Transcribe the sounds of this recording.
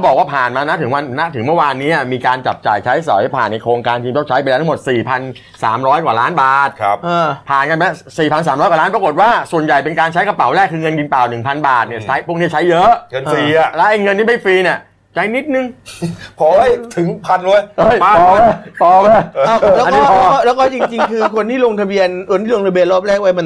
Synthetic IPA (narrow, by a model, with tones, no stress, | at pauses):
a˥˩bɔː˨˩k̚waː˥˩pʰaː˨˩nmaː˧na˦˥t̪ʰɯ˩˦wa˧nːa˦˥t̪ʰɯ˨˩˦ŋmɯ˥˩waː˧nːiː˦˥ʔa˨˩miː˧kaː˧nt͡ɕa˨˩p̚t͡ɕa̰ː˨˩jt͡ɕʰa˦˥jsɔ̰˨˩˦jpʰaː˨˩nːa˧jkʰoː˧ŋkaː˧nkʰi˧mt͡ɕa˥˩t͡ɕʰa˦˥jpa˧jlt̪ʰmo˨˩t̪̚siː˨˩pʰa˧n | saː˩˦mɾɔː˦˥jkwaː˨˩laː˦˥nbaː˨˩t̪̚ʰa˦p̚ʔaː˧˩pʰaː˨˩nka˧nma˦˧˥siː˨˩pʰa˧ns̬aː˩˦mɾɔː˦˥ka˨lːnpɾko˨˩t̪̚waː˥˩su˨˩ənja˨˩jpe˧nkaː˧nt͡ɕʰa˦˥jka˧pa˨˩˦wlɛː˥˩kʰːɯː˧ŋɤ˧nki˧npaː˨˩wnɯ˨˩ŋpʰa˧nbaː˨˩t̪̚ni˥˩ɐt͡ɕʰa˦˥jpʰu˥˩kni˦˥ɐ˨t͡ɕʰa˦˥jːɤ˦˥ʔŋː˧iː˧˩lɛː˦˥ʔa˧˥˩jŋɤ˧nt̪iː˥˩ma˥˩fiː˧ni˧˩ə | t͡ɕa˨˦˥jni˦˥t̪̚nɯ˨˧ŋpʰɔ˨˩˦t̪ʰɯ˨˩˦ŋpʰa˧nlu˧˦ja˧˩ja˧˩ɔː˨˧a˧˩t̪ɔː˨˧˩mɛ˧˩˧ʔa˧˩wlɛː˦˧a˧nkɔiː˦˥pʰːɔ˥˩lɛː˦˥wkɔː˥˩t͡ɕi˧ŋt͡ɕi˧˩ŋkʰɯː˧˩kʰo˧nt̪ʰiː˥˩loː˧ŋt̪ʰa˧bi˧ənʰo˧nt̪ʰiː˥˩o˧ŋt̪ʰa˧bi˧ənloː˥˩p̚ɾɛː˥˩k̚wa˦˥jma˧n